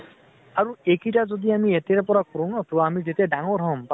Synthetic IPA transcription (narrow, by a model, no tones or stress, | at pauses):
aɹuekitazod̪iamiet̪ɛɾpɔɹakuɾɔnɔt̪uamizetɛdaŋɔɾɦɔmp